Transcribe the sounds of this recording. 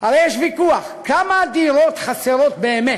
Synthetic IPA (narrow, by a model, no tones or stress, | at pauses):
alejeʃvikuaχkamad̪iɾot̪χaseɾo̞t̪̚be̞ːme